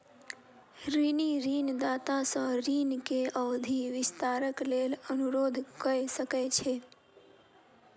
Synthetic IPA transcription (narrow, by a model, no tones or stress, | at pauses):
ɾiniɾiːnd̪aːt̪asə̃ɾiːnkeəːd̪ʱiʋɪst̪aːɾəklelənuɾoːd̪ʱkəɾesəkɛt͡ʃʰe